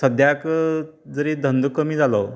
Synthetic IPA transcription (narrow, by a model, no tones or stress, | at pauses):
səd̪ʱjakd͡zəɾed̪ʱənd̪kəmiːd͡zʱalɔ